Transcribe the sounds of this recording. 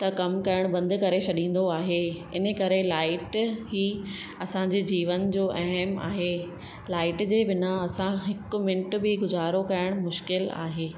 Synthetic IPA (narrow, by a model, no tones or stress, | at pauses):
t̪ɐkɐmkɐɾəɽ̃bɐ̃nd̪ʱʊ̆kɐɾesʰɐɗĩːn̆d̪oaːɦeɪnə̆kɐɾelaːɪʈɦiː | ɐsãɲd͡ʑeːd͡ʑiːʋənd͡ʑoːʔɐɦɛma̰ːɦeː | laːɪʈd͡ʑeːbɪnaɐsãɦɪkʊ̆mɪ̃ɳʈbɪɡʊzaːɾokɐɾəɽ̃mʊʃkɪla̰ːɦeː